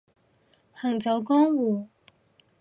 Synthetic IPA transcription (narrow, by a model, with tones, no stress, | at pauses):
hɐ˨˩ŋt͡sɐ˨˥wkɔː˥ŋwuː˨˩